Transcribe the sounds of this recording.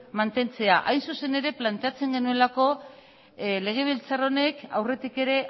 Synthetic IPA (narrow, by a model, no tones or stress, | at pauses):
mant̪e̞nt͡se̞aʔajnsuse̞ne̞ɾe̞plant̪e̞at͡se̞ŋɡe̞nue̞lako̞ | le̞ɣ̞e̞β̞ilt͡saro̞ne̞kawre̞t̪ike̞ɾe̞